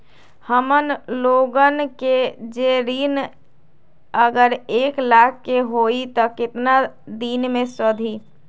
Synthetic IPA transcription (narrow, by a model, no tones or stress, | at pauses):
həmənloːɡənked͡ʒeɾiːn | əɡəɾeːklaːkʰːeɦoːit̪ɔkɪt̪na | d̪iːnmẽsəd̪ʱiː